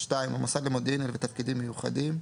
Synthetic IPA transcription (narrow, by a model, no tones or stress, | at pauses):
ʃtaimamasadlemod̪ɛnelvet̪afkid̪imːejuχa̰dim